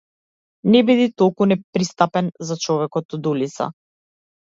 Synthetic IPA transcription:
nɛbid̪it̪ɔlˠkunɛpɾist̪apɛnzat͡ʃɔvɛkɔt̪d̪ulit̪sa̰

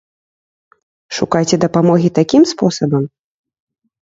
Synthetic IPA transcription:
ʂukajt͡sʲɛd̪ɐpamɔɣʲit̪akʲimspɔsɐbɐm

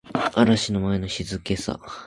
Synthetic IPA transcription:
aɾaɕino̞mae̞no̞ɕizɨke̞sa̰

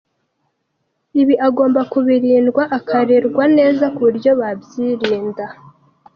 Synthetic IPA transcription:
iβiʔaɡo̞ːmbakuβiɾiːndɡwaʔakʰaɾeɾɡwane̞ːzakuɾjo̞βabjiɾiːnda

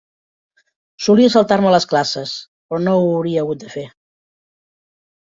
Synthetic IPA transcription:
suliəsəlˠt̪aɾmələsklasəs | pɾɔnowːwɾiəːɣut̪̚d̪əfe

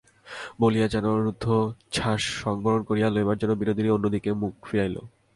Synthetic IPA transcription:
bolijad͡ʑɛnoɾud̪ʱːot͡ɕʰaʃːɔŋbʱoɾonkoɾijaloebaɾd͡ʑonːobiɾod̪ʱiɾionːod̪ikemuk̚fiɾajlo̰

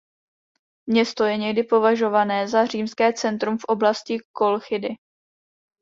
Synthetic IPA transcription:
mɲɛst̪o̞jɛɲɛɡdɪpo̞vaʒo̞vanɛːzar̝iːmskɛːt͡sɛnt̪ɾumfʔo̞blascɪko̞lxɪdɪ

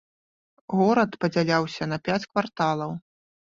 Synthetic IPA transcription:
ɣɔɾɐt̪pɐd͡zʲalʲawsʲɐnɐpʲat͡sʲkvart̪alˠɐw

